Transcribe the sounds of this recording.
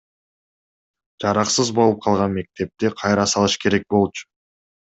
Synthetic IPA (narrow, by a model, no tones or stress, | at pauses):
d͡ʒɑɾɑqsɯzbo̞lˠup̚qʰɑlˠʁɑnme̞k̚t̪e̞p̚t̪iqʰɑjɾɑsɑlˠɯʃke̞ɾe̞k̚bo̞lˠt͡ʃʊ̥